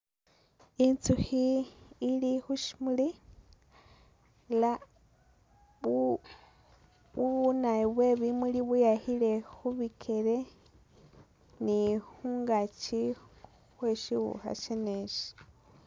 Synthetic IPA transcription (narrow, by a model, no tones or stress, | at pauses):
int͡suxiː | lixuʃi̥muli | la | uβunaβweβimuliβujahile̞xuβikʰeɾe | nixuːŋɡat͡ʃi | xweʃiwṵxa̰ʃeneʃi̥